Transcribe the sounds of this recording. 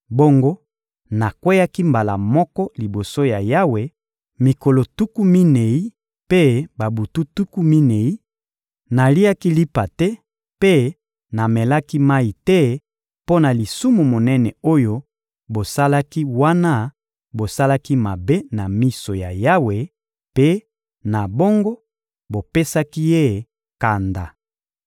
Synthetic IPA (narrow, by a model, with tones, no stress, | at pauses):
bo˦ŋɡo˦ | na˨kwe˦ja˦ki˦mba˨la̰˨mɔ˦kɔ˦li˨bo˨so˦ja˨ja˦we˨ | mi˨ko˨lo˨tu˦ku˦mi˦ne˨i˦ | pe˦ba˨bu˨tu˦tu˦ku˦mi˦ne˨i˦ | na˨li˦a˦ki˦li˦pa˨tɛ˦ | pe˦ | na˨mɛ˨la˦ki˦ma˦i˨tɛ˦ | po˦na˨li˨su˦mu˨mo˨nɛ˦nɛ˨o˦jo˦ | bo˨sa˦la˦ki˦wa˦na˦ | bo˨sa˦la˦ki˦ma˨be˦na˨mi˦so˨ja̰˨ja˦we˨ | pe˦ | na˨bo˦ŋɡo˦ | bo˨pe˦sa˦ki˦je˦˨ | ka˨nda̰˨